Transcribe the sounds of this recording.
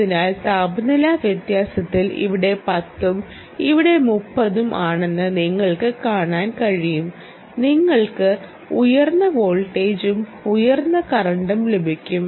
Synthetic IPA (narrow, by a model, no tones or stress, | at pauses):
ɐinaːlt̪aːbɐnɐlaʋjɐt̪jaːsɐt̪ːilḭʋiɽe̞pɐt̪ːum | iʋiɽe̞mupːɐðumʔaːɳe̞nːɨniŋːɐɭkɨkaːɳaːnkɐɻijum | niŋːɐɭkɨ | ujɐrnːɐʋoːɭʈːe̞ːd͡ʑumujɐrnːɐkɐrɐɳɖumlubʱikʲːum